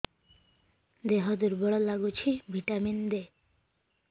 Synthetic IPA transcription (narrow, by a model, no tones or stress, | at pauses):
d̪eɦɔd̪uɾbɔɭɔlaɡut͡ɕʰibʱiʈamind̪e